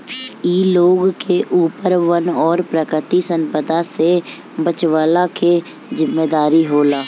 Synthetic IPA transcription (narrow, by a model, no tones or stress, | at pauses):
iːloːɡkeʔuːpəɾʋənɔːɾpɾəkɾɪt̪isə̃mpəd̪ʱase | bət͡ʃʋaːlake | zɪmːeːd̪aːɾiɦoːlaː